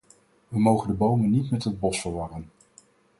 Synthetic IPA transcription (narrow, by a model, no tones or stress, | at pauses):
ʋəmowχəndəbowmənːitmɛtɦəd̚bɔsfəɹʋɑrən